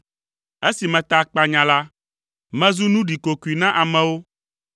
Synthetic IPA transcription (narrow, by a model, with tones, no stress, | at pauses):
e˦si˨mɛ̃˨t̪a˨k͡pa˨ɲã˨la˦ | mɛ̃˦zu˦nũ˦ɖi˨ko˨ku˨i˨nã˦ʔa˨mɛ̃˨wo˦